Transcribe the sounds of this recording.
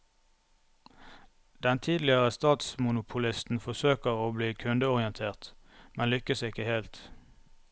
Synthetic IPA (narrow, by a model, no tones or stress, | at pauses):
d̪̥ɛnt̪ʰiːd̪lɪəʁəst̪ɑːt̪smʊnʊpʰʊlɪst̪n̩fɔsøːkəʁoːbliːkʰʉnd̪əʊʁɪənt̪ʰeːʁt̪ | mɛnlʏkəsɪkəheːlt̪